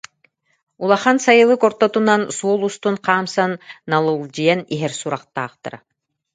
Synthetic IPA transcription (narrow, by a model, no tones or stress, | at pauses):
ulˠaχansajɯlˠɯkɔɾt̪ɔt̪unansuɔlˠust̪unqaːmsanːalˠɯlˠd͡ʑijɛniɦɛɾsuɾaqt̪a̰ːχt̪a̰ɾa̰